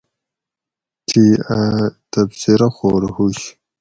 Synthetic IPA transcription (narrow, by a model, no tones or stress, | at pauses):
tʰiat̪absiɾaxoːɾhuɕ